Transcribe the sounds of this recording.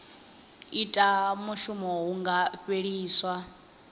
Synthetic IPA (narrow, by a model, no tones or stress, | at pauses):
itʼamuʃumɔɦuŋɡaɸeɺiːswa